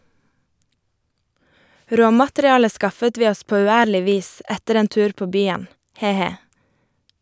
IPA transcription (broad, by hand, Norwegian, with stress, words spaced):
ˈɾoːmɑtɾɪˌɑːlə ˈskɑfət ˈʋiː ˈɔs ˈpoː ʉːˈæːɾlɪ ˈʋiːs ˈɛtəɾ ˈeːn ˈtʉːɾ ˈpoː ˈbyːən ˈheː ˈheː